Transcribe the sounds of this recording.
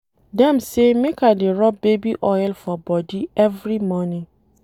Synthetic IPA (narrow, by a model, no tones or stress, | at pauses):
dɛ̃msemẽkadeɾɔbebiʔɔjlfɔbɔdiɛvɾimɔ̃nĩ